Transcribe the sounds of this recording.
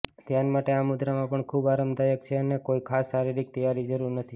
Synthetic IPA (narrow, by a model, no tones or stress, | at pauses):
t̪janmaʈeamud̪ɾamãpəɳkʰubaɾəmd̪ajək̚t͡ʃʰeənekoikʰasːaɾiɾik̚t̪əjaɾid͡ʒəɾuɾnət̪ʰi